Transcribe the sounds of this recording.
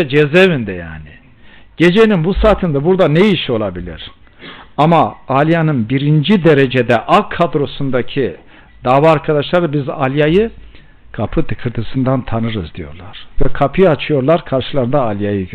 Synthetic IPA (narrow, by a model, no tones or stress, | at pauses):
ɛd͡ʒɛzevind̪ɛja̰ːnɪ | ɟ̥e̞d͡ʒejninbusaːt̪ʰɯnd̪abuɾd̪anejiʃo̞lˠabilʲḭɾ̥ | amaalʲjanɯnbiɾind͡ʒid̪eɾed͡ʒed̪ɛʔakʰːad̪ɾo̞sund̪acʰi | d̪aːvaːɾkʰad̪aʃlˠaɾɯbiza̰lʲjajɯ | kʰapʰɯt̪ʰɯkʰɯɾt̪ʰɯsɯnd̪ant̪ʰanɯɾɯzd̪ijo̞̰ɾlˠaɾ̥vɛkʰapʰɯjɯat͡ʃʰɯjo̞ɾlˠaɾkʰaɾʃɯlˠaɾɯnd̪aːlʲjajɯ